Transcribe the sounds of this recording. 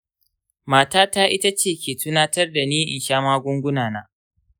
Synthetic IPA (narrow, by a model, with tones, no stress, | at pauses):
maː˨taː˦taː˦ʔɪ˦ta˦t͡ʃeː˦˨kʲeː˨tʊ˦naː˦tɐ˦rda˨niː˦ʔɪ˨nʃaː˦maː˦ɡʷʊ˦ŋɡʷʊ˦naː˨naː˦